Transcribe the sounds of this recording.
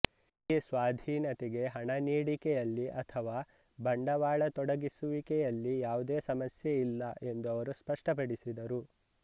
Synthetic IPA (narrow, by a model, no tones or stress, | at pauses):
iːsʋaːd̪ʱiːnɐt̪ɛɡe̞ɦɐɳɐniːɽikɛjɐlːiʔɐt̪ʰɐʋaː | bɐɳɖɐʋaːɭɐt̪ɔɽɐɡisuʋikɛjɐlːijaːʋud̪eːsɐmɐsjeilːɐe̞nd̪uɐʋɐɾuspɐʂʈɐpɐɽisid̪ɐɾu